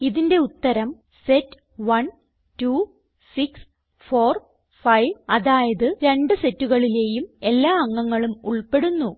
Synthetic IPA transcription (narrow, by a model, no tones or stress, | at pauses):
iðinde̞ut̪ːɐɾɐm | setː | ʋɐn | tuː | siks | fo̞ːr | fɐjʋɐðaːjɐðɨɾe̞ɳɖɨse̞tːuɣɐɭile̞ːjume̞lːaːɐŋːɐŋːɐɭumuɭpe̞ɽunːu